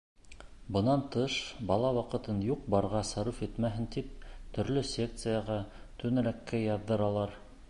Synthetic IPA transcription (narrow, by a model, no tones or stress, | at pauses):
bɤ̆nɑnt̪ɤʃbɑlˠɑwɑqɤ̆t̪ɤnjuq̚bɑɾʁɑsɑɾufit̪mæɦɘnt̪ip̚t̪ɵ̆ɾlɵsʲe̞k̚t̪sɨjɑʁɑ | t̪ʰɵ̆nɘ̆ɾækːæjɑðːɤɾɑlˠɑɾ